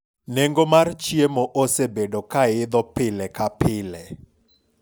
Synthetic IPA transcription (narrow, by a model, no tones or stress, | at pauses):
neŋɡomart͡ʃiemoʔosebedokaɪd̪ɔpɪlɛkapɪlɛ